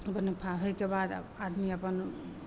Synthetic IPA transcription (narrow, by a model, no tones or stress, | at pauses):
pənpʰaɦəjkebad̪̰ad̪miəpən